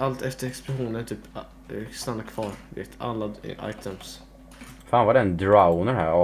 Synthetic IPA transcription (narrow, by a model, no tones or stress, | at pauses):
alt̪ɛft̪əɾɛksplʊɧuːnənt̪ʰyːp | st̪anːakʰvɑːɾvḛːt̪ʰa̰lːa̰ʔa̰jt̪ʰəms | faːnvad̪ɛnd̪ɾaʊnəɾhæ̰ːɾɔ